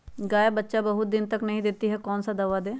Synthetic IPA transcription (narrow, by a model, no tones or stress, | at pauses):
ɡaːjabətːʃabəɦʊt̪̚d̪ɪnt̪əknəɦĩːd̪eːt̪iɦɛːkɔːnsad̪əʋad̪eː